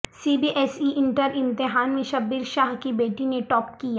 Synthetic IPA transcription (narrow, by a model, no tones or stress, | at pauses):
siːbiːʔɛːsiʔɪ̃ɳʈəɾɪ̃nt̪ɪɦaːnmẽʃɐbːiɾʃaːɦkibeːʈineʈɔːp̚kija